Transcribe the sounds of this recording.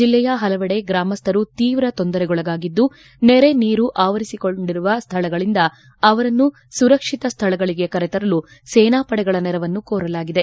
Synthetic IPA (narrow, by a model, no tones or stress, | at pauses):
d͡ʒilːɛjɐɦɐlɐʋɐɽe̞ɡɾaːmɐst̪ʰɐɾut̪iːʋɾɐt̪ond̪ɐɾɛɡɔɭɐɡaːɡid̪ːu | nɛɾe̞niːɾuʔaːʋɐɾisiko̞ɳɖiɾuʋɐst̪ʰɐɭɐɡɐɭind̪ɐ | ɐʋɐɾɐnːu | suɾɐkʂit̪ɐst̪ʰɐɭɐɡɐɭiɡe̞kɐɾɛt̪ɐɾɐlu | seːnaːpɐɽɛɡɐɭɐnɛɾɐʋɐnːukoːɾɐlaːɡid̪e̞